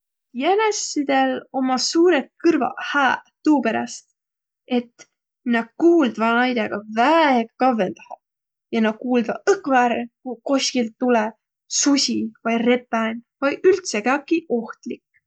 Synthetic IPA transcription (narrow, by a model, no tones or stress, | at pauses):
jænesːid̪̥e̞lo̞mɑsuːɾekɯrvɑ̰hæːt̪uːpeɾɑ̰st̪ | e̞t̪ | nɑɡ̥̚kuːld̪vɑnɑjd̪̥ʲɑɡ̥ɑvæeɡkɑvend̪̥ɑhɑ | jɑnɑ̥kuːld̪vɑ̰ɯkːˑvɑɾkuko̞sʲkilt̪ːulɛ | susʲivɑjre̞p̪ːˑænʲvɑjylt̪seɡɑkːiʔo̞ht̪lik